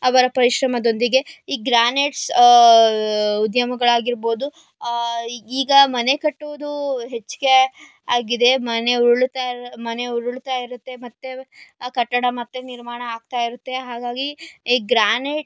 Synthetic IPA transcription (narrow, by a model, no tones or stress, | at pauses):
ɐʋɐɾɐpɐɾiʃɾɐmɐd̪o̞nd̪iɡe̞iːɡɾaːneʈs | ud̪jɐmɐɡɐɭaːɡiɾbo̞ːd̪u | iːɡɐmɐne̞kɐʈːuʋɐd̪uɦet͡ʃːɡe | aːɡid̪e̞mɐne̞uɭt̪amɐne̞uɽuɭt̪aːjiɾut̪ːe̞mɐt̪ːekɐʈːɐɽɐmɐt̪ːeniɾmaːɳɐːɡ̚t̪aːjiɾut̪ːe̞ɦaːɡaːɡiiːɡɾaːneːʈ